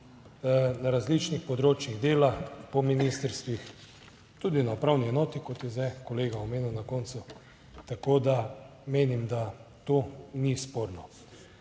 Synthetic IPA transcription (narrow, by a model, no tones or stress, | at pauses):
naɾazlit͡ʃnixpɔd̪ɾoːt͡ʃjiɣd̪eːlapɔminist̪əɾst̪ʋix | t̪uːd̪inapɾawniɛnɔːt̪ikɔt̪jɛzɛkɔleːɡaɔmeːnuwnakɔnt̪sʊ | t̪akoːd̪a | meːnimd̪at̪onispoːɾnɔ